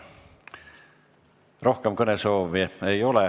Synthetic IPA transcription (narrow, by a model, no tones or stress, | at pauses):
ro̞hkemkɤnesoːviejo̞lɛ